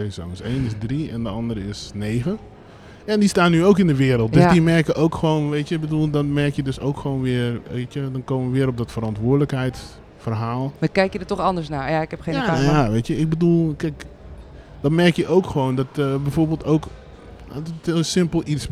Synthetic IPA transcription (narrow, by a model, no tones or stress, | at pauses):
eːsɔ̰ŋəseːnɪsdriɛndəɑndərɾəɪsneːɣə | andistaːnːyowkɪndəʋɪəɾəlˠt̚døsdimɛrkəʔoːkxəʋoːnʋeːtjəbədulˠdɔtmɛrkjədøsowkxəʋoːnʋɪəreːtjədɔnkoːməʋəʋɪəɾɔp̚dɔtfəɾɔntʋʊːdələkɦɛjt | fərɦaːlˠmakɛjkjədətɔxɑndəɹsnaːjaɪkɛpxeːjajaʋeːtjəɪk̚bədulˠkɛk | dɔtmɛrkjəʔoːkxəʋoːndɔtbɛjfoːrbːlˠtoːk | osɪmpəlˠis